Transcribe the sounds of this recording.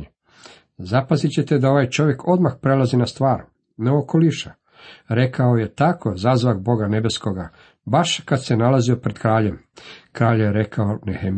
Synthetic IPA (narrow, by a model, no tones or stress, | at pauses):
zapazit͡ɕe̞t̪e̞d̪ao̞ʋaːjt͡ʃo̞ʋje̞kʰo̞d̪maxpɾelˠazinast̪ʋaːɾ | neokolˠiʃa | ɾe̞kaoje̞t̪akʰo̞zaːzʋakbo̞ɡane̞be̞skoɡa | baʃkad̪senalazio̞pɾed̪kɾaːʎem | kɾaːʎjeɾe̞kaonehem